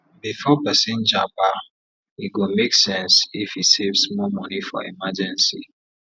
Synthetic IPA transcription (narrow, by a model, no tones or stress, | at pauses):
bifɔpɛsĩnd͡ʒaba | iɡomeksɛ̃nsifisevsmɔmɔnifɔ̰ḭmad͡ʒɛ̃nsi